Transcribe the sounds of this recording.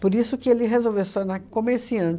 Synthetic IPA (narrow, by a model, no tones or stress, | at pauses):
poɾisʊkɪelɪɦezowvewsi̥t̪oɾnaɾkõmeɾsiɐ̃